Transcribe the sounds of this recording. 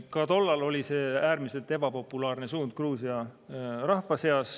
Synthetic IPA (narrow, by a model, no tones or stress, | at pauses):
kɑd̪o̞lːɑlo̞lʲise̞ːæːɾmise̞lt̪e̞bɑpo̞pːˑulɑːrne̞suːnd̪̥̚kruːsiɑrɑhfɑse̞ɑss